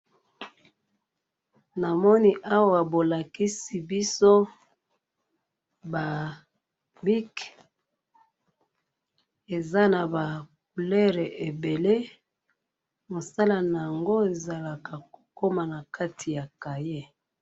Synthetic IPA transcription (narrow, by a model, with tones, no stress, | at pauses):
na˨mɔ˦ni˦ʔa˦wa˦wa˨bo˨la˨ki˦si˨bi˦so˦ | ba˨ | bi˦k | e˨za˦na˨ba˨k̚u˨lɛ˦ʁe˨ʔe˨be˨le˦ | mo˨sa˦la˦na˨ja˨ŋɡo˦e˨za˨la˨ka˨ko˨ko˦ma˨na˨ka˦tʰi˨ja˨ka˨je˦